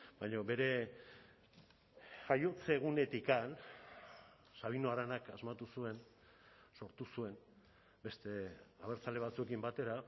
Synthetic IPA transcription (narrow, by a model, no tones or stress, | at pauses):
bajɲoβe̞ɾe̞ | ajo̞t͡seɣ̞une̞t̪ikan | saβ̞inoaɾanakazmat̪usue̞n | so̞ɾt̪usue̞n | be̞st̪e̞aβ̞eɾt͡sale̞βat͡sue̞kimbat̪e̞ɾa